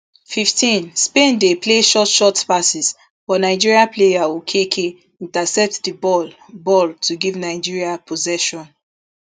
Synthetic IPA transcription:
fiftʰĩnspẽndepʰleʃɔtʃɔtpasis | b̥ɔnaɪd͡ʒiɹiaplejawukʰekʰe | ĩntasɛp̚tdəbɔl | bɔltʰuɡivnaɪd͡ʒiɹiapʰozɛʃɔ̃n

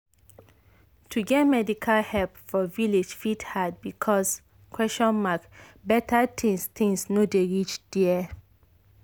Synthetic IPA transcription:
tʰuɡɛt̚mɛdikʰalhɛlpfɔviled͡ʒfithad̚bikʰɔs | kʰwɛstɔ̃nmakbɛtʰatʰĩŋst̪ʰĩŋsnodeɹit͡ʃd̥iɛ

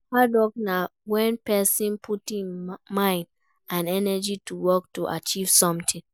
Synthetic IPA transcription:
hadɔk̚nawɛ̃npɛsĩnpʰutĩnmãɪ̃nd | ãnɛnɛd͡ʒituwɔk̚tuʔa̰t͡ʃiv̥sɔ̃mtʰĩŋ

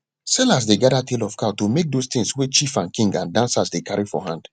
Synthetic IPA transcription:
sɛlas̬deɡadatʰelɔfkʰatomek̚dost̪ɪ̃ŋswɛt͡ʃifãnkĩŋɡãndãnsasdekʰaɹifɔ̰ɦãnd̥

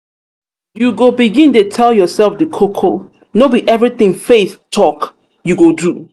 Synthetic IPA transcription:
juɡobiɡĩntetʰɛljɔsɛlfdəkʰokʰo | nobiʔɛvɹiθɪ̃ŋfeθtʰɔk | juɡodu

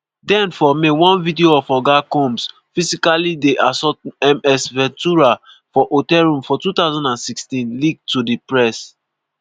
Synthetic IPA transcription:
dɛ̃nfɔmewɔ̃nvidioɔfɔɡakɔ̃ms | fisikalideʔasɔtɛmɛsvɛ̃ntuɹa | fɔʔotɛlɹũmfɔtut̪aʊzãndãnsikstĩnliɡ̚tudipɹɛs

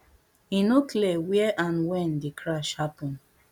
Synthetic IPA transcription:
ĩnokʰlɛwɛʔãnwɛ̃ndikʰɹaʃhapɔ̃n

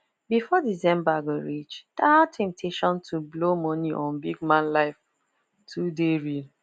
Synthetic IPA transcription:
bifɔdizɛ̃mbaɡoɹit͡ʃd̥ahatʰɛ̃mp̚tʰeʃɔ̃ntʰublomɔniʔɔ̃nbiɡmãnlaɪf | tʰudeɹil

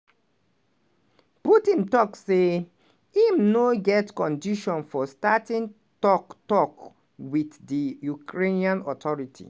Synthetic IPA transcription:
putĩntɔkse | imnoɡɛtkɔ̃ndiʃɔ̃nfɔstatĩn | tɔktɔk | widdijukɹeniãnɔtʰɔɹitʰḭ

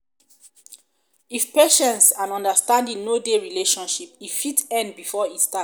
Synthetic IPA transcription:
ifpeʃɛ̃nsãnɔ̃ndəstãndĩŋnodeɹileʃɔ̃nʃipifitɛ̃nd̚bifɔitsta

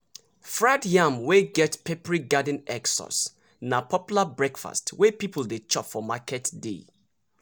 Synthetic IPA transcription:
fɹadjãmweɡɛtpepəɹiɡadə̃nɛksɔ̰s | napʰɔpjulabɹɛkfa̰stwɛpipʰəldet͡ʃɔpfɔmakʰɛtdḛ

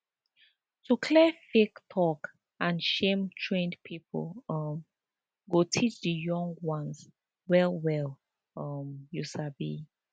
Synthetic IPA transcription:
tʰukʰlɛfektʰɔk | ãnʃẽmtʰɹẽndpʰipʰo̰lʌm | ɡotʰit͡ʃdəjɔ̃ŋɡwɔ̃ns | wɛlˠwɛl | ʌmjusabḭ

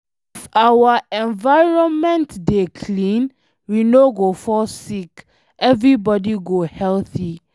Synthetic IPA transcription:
ifawaɛ̃nvaɪɹɔ̃nmɛ̃ntdekʰlĩn | winoɡofɔsik | ʔɛvɹibɔdiɡohɛlθi

